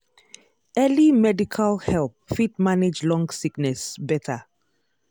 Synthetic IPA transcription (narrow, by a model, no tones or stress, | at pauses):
ɛlimɛdikʰalhɛlˠp̚fit̚maned͡ʒlɔ̃ŋɡsiknɛsbɛtʰa